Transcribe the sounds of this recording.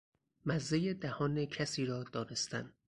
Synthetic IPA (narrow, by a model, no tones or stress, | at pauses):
mæzːejed̪æhɒːnecʰæsiːɾɒːd̪̥ɒːne̞st̪ʰæ̰nd̪